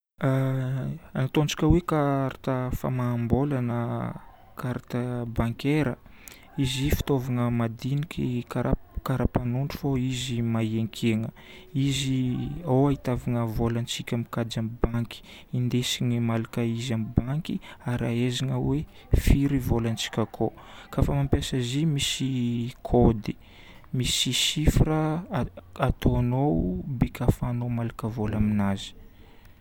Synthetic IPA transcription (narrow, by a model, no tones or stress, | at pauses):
anat̪ond͡ʒi̥kʲəwekaɾat̪əfa̰maːmbolanə | kaɾat̪abaŋkeɾə | izifi̥t̪ovaŋəmad̪inikʲikaɾakaɾapanuɳɖ͡ʐu̥foizimaieŋkʰeŋə | iziawait̪aviŋəvolant͡sikʲamikad͡ʒamibaŋki̥ | ind̪esiɲemalakaizamibaŋkiaɾaezaŋəwe | fiɾivolant͡si̥kʲakʰo | kafamampjasəzimisikʰod̪i̥ | misisifɾə | at̪ʰoanowbekʰafanomalakəvolaminazi̥